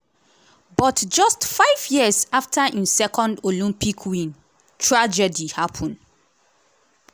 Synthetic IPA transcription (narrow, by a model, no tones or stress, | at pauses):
bɔtd͡ʒɔstfaɪvjiəsaftʰaʔĩnsɛkʰɔ̃ndolĩmpikʰwĩn | tʰɹad͡ʒɛdihapʰɔ̃nd